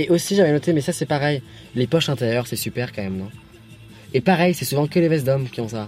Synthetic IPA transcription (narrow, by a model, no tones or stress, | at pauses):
eʔosiʒavɛnɔt̪emɛsasɛpaʁɛj | lepɔʃɛ̃t̪eʁjœʁsɛsypɛʁkɑ̃mɛmnɔ̃ | epaʁɛjsɛsuvɑ̃kəlevɛs̬d̪ɔmkʲiɔ̃sa